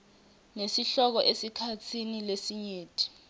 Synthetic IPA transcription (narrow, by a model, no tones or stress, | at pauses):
nesiɬɔk̬ɔʔesikʰat͡sʰinilesiɲeːtʰʼi̥